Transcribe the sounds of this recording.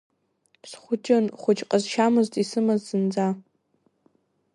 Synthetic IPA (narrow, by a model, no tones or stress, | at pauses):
sχʷʊt͡ʃʼanχʷʊt͡ʃʼqʼazʃamɨztʼisɨmazsɨnd͡za